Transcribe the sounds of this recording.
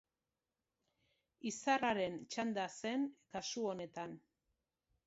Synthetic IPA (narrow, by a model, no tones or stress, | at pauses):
isaraɾe̞nt͡ʃand̪ase̞nkasuo̞ne̞t̪an